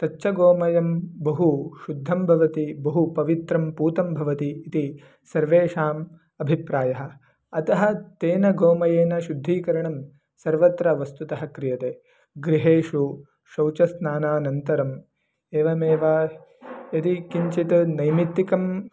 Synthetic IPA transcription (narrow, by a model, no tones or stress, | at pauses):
t̪ɐʃʰɐɡoːmɐjɐmbɐɦuʃud̪ʱːɐmbʱɐʋɐt̪ibɐɦupɐʋit̪ɾɐmpuːt̪ɐmbʱɐʋɐt̪iːt̪i | sɐɾʋeːʃaːm | ɐbʱipɾaːjɐɦɐ̆ | ɐt̪ɐɦɐ̆t̪eːnɐɡoːmɐjeːnɐʃud̪ʱːiːkɐɾɐɳɐm | sɐɾʋɐt̪ɾɐʋɐst̪ut̪ɐɦɐkɾijɐt̪eː | ɡɾiɦeːʂu | ʃɐwt͡ʃɐsnaːnaːnɐnt̪ɐɾɐm | eːʋɐmeːʋaː | jɐt̪ikiɲt͡ʃit̪ɐnɐjmit̪ːikɐm